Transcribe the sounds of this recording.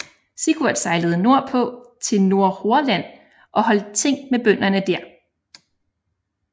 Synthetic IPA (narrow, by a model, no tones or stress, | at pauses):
siɡ̥uæd̥sɑ̈ɪləð̞̩ˠno̝ɐ̰pʰɒ̽t͡sʰe̝lno̝ɐ̰ho̝ɐlæn̰ | ʔɒ̽hɒ̽l̰d̥̚t͡sʰe̝ŋ̰meb̥œn̰ɐnəd̥æɐ̰